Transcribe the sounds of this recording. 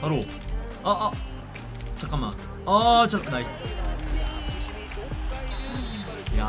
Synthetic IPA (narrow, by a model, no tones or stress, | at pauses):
aɾo | ʌʔ | t͡ɕʰakama̰ | ʌt͡ɕʰaknais͈ | ja̰